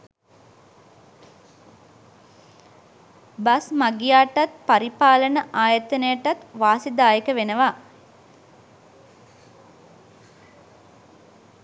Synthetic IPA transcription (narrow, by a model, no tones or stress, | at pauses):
basmaɡijaːʈat̪̚paɾipaːlənəʔaːjət̪ənəjəʈat̪ʋaːsid̪aːjəkəʋenəʋa